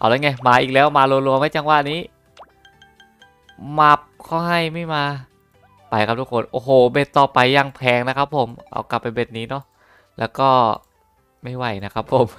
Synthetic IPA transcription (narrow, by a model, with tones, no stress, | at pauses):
ʔa̰˧˩wlaː˧˦˥jŋaː˧˩maː˧ʔiː˨˩k̚lɛː˦˥wmaː˧lu˧nlu˧əmha˥˩jt͡ɕa˧ŋwaː˧˩niː˦˥ | ma˦˥˩p̚kʰa˧˥˩ɦa˥˩jma˥˩jmaː˧ | pa˧˩jka˧˩pt̪ʰu˦˥kʰːo˧nʔoː˧˩ɦoː˨˩be˧˩t̪ːɔː˨˩pa˧jːa˧ŋpʰɛː˧ŋna˦˥kʰa˦˥pʰːo˩˦mʔa̰˧˩wkla˨˩pːa˧nbe˧˩t̪̚niː˦˥nɔ˦˥˩ | lɛː˦˥wkɔː˥˩ | ma˥˩jwa˥˩jna˦˥kʰa˦˥pʰːo˨˩˦m